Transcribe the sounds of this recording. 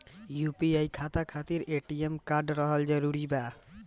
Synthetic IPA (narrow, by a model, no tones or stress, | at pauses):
jupiajkʰat̪akʰat̪iɾeʈiemkaɾɖɾɔɦald͡ʒɔɾuɾiba